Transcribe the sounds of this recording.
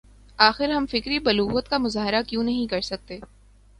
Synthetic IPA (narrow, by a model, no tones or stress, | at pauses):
aːxɪɾɦɐmfɪkɾibɐluːɦuːət̪kamʊzaːɦɪɾakjõːnɐɦĩkɐɾsɐk̚t̪eː